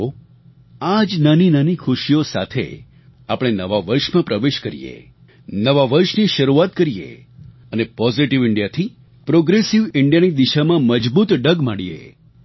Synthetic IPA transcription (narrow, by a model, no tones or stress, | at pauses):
o | ad͡ʒnaninanikʰʊʃijosa̰t̪ʰḛ | apɽ̃enəʋaʋəɾʃmãpɾəʋeʃkəɾḭjḛ | nəʋaʋəɾʃniʃəɾuat̪̚kəɾijḛ | ənepɔziʈiʋɪɳɖijat̪ʰi | pɾoɡɾesiʋɪɳɖijanid̪iʃamãməd͡ʒbut̪ɖəɡmaɽijḛ